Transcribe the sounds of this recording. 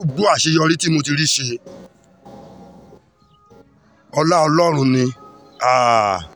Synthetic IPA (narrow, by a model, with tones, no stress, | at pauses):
u˦ɡ͡bu˦a˦˨ʃe˧jɔ˧ɾĩ˦ti˦mo˧ti˧ɾi˦˨ʃe˧ | ɔ˧la˦ɔ˧lɔ˦˨ɾ̃ũ˧nĩ˧ | a˦˨